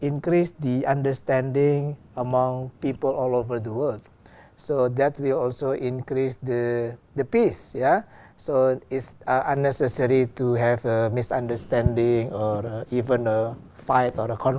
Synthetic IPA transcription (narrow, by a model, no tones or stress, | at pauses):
ĩŋkɾisdiãndəstɛ̃ndɪ̃ŋ | əmãŋpipəlɔlovəd̪əwəld | sod̪ɛtwilɔlsoʔĩnkɾisdəd̪əpisja | soɪtsʔãnːɛsəsəɾituɦɛvəmisã̰ndəst̪ɛ̃ndɪ̃ŋɔɹəivə̃nə | faɪtɔɾəkʰɔ̃n